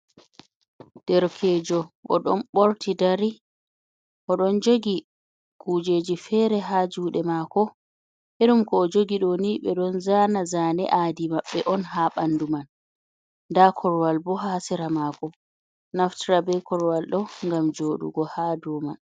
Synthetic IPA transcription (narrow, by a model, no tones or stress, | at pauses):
d̥ɛɾkʰɛd͡ʒɔʔɔ̰ɗɔ̰nɓoɾtʰidaɾi | ʔɔɗɔnd͡ʒoɡi | kud͡ʒeːd͡ʒifɛɾɛɦad͡ʒuːɗɛmakɔ | ʔeɗumkɔːd͡ʒoɡiɗɔniːɓɛɗɔnzaːnazaːnɛ̰ʔadimaɓːɛʔɔnɦaɓanduman | dakʰɔɾwalbɔɦasɛɾamaːkɔ | naftiɾabɛkɔɾwalɗɔŋɡamd͡ʒoːɗṵɡɔhaːdɔːman